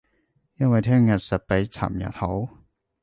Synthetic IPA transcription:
jɐ˥˨nwa˧˩jt̪ʰɛ˥˨ŋja˨t̚sɛ˨˩pe˨˧˥jt͡sʰa̰˨˩mja̰˨˩t̪ho˨˥˦w

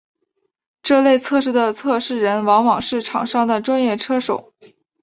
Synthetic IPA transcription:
ʈ͡ʂɤ˥˧le˥˧ɪt͡sʰɤ˥˧ʂ̬ɻ̩˥˩d̪ə˩t͡sʰɤ˥˧ʂɻ̩˥˩ɻə˧˥nwɑ˧˥ŋwɑ˨˩ŋʂɻ̩˥˩ʈ͡ʂʰɑ̰˨˩ŋʂɑ˥ŋd̪ə˨˩ʈ͡ʂwa˥njɛ˥˩ʈ͡ʂʰɤ˥ʂo̰˨˩˦ʊ

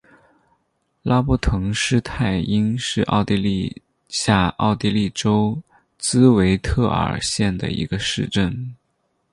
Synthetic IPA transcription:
la˥pu˥˩t̪ʰɤ˧˥ŋʂɻ̩˥t̪ʰa˥˩ɪi˥nʂɻ̩˥˧ʔɑ̰˥˧ʊt̪i˥˧li˥˧ | ɕja˥˧ɑ̰˥˧ʊt̪i˥˧li˥˩ʈ͡ʂo˥ʊ | t͡sɹ̩˥we˧˥ɪt̪ʰɤ˥˩ə̰˞˨˩ɕjɛ˥˩nd̪ə̰˩ḭ˧˥ɡə˧ʂɻ̩˥˧ʈ͡ʂə˥˩n

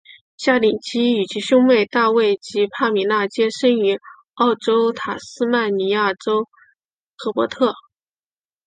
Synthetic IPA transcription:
ɕja˥˩li˨˩t͡ɕʰi˥y˨˩t͡ɕʰi˧˥ɕʊ˥ŋwe˥˧ɪt̪a˥˧we˥˩ɪt͡ɕi˧˥pʰa˥˩mi˨˩˥na˥˩t͡ɕjɛ˥ʂə˥ny˧˥ | ɑ˥˩ʊʈ͡ʂo˥ʊt̪ʰa˨˩sɹ̩˥ma˥˩nni˧˥ja˥˩ʈ͡ʂo˥ʊ | xʰɤ˧˥pwɔ˧˥t̪ʰɤ˥˩

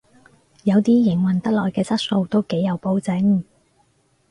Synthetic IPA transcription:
jɐ˨˧wt̪iː˥jɪ˨˩ŋwɐ˨nt̪ɐ˥k̚lɔː˨jkɛː˧t͡sɐ˥t̚so˧wt̪o˥wke˨˥jɐ˨˧wpo˨˧wt͡sɪ˨˥ŋ

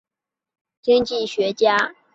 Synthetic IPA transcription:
t͡ɕi˥ŋt͡ɕi˥˩ɕɥɛ˧˥t͡ɕja˥

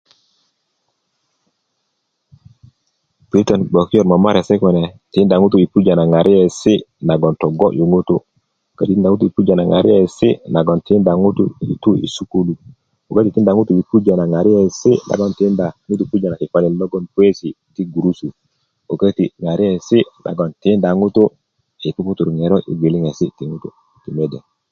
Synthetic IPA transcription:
pɾitɔnbo˨ki˦jɔ˨ɾma˨ma˦ɾɛ˨sɛ˦kɔnɛ˨ti˦nda˨ŋu˦t̬u˨i˨pu˦d͡ʒa˨na˨ŋa˨ɾʔi˦ɛ˨si˦na˨ɡɔ˨ntɔ˨ɡɔ˦ʔju˨ŋu˦tu˨ | ka˦titi˦nda˨ŋu˦t̬u˨i˨pu˦d͡ʒa˨na˨ŋa˨ɾi˦ɛ˦si˦na˨ɡɔ˨nti˦nda˨ŋu˦tu˨ḭ˨tu˦ḭ˨su˦ku˦lu˨ | o˨kə˦ti˨ti˦nda˨ŋu˦tu˨i˨pu˦d͡ʒa˨na˨ŋa˨ɾi˦jɛ˨si˦la̰˨ɡo˦nti˦nda˨ŋu˦tu˨pu˦d͡ʒa˨na˨ki˨fa˦ni˨llo˦ɡo˦npu˦e˦si˨ | di˦ɡu˨ɾu˦su˨ | o˨kə˦ti˨ŋa˨ɾi˦ɛ˨si˦lʔa̰˨ɡo˨nti˦nda˨ŋu˦tu˦ | i˨pu˦ku˦tu˨ɾŋe˨ɾɔ˦ʔḭ˨ɡi˨li˦ŋe˨si˦ti˨ŋu˦tu˨ | ti˨me˦dɛ˨

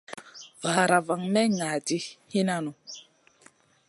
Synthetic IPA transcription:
va˨ɾa˨va˨ŋmɛ˦ŋa˨ti˦hi˦na˦nu˨

